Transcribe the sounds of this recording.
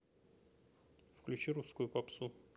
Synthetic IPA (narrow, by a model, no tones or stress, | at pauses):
fklʲʉt͡ɕiɾuskʊjʊpapsu